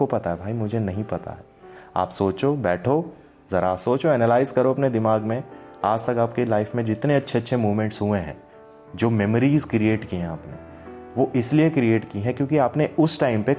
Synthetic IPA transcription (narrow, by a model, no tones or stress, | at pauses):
opɐt̪aɦɛbʱaːimʊd͡ʒʱenɐɦĩpɐt̪a̰ɦɛːa̰ːpsoːt͡ʃobɛːʈʰo | zɐɾasoːt͡ʃoɛːnəlaːɪzkɐɾoɐpned̪ɪmaːɡmẽaːd͡ʒt̪ɐkaːp̚kelaːɪfmẽd͡ʒɪt̪neɐtːʃʰeɐtːʃʰemuːʋmɛ̃ɳʈsɦuẽɦɛ̰̃ː | d͡ʒoːmɛməɾiːzkɾieːʈkiɦɛ̃aːpnḛ | ʋoʔɪsliekɾieːʈkiɦɛ̃kjõːkiaːpneʔʊsʈaːɪmpe